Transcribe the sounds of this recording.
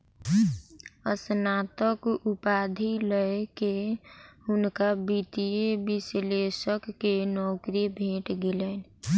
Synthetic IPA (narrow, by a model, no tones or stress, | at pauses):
əsnaːt̪əkʊpaːd̪ʱiləekehʊnkabit̪ijebɪsleːsəkːenɔːkɾibʱeːʈɡilən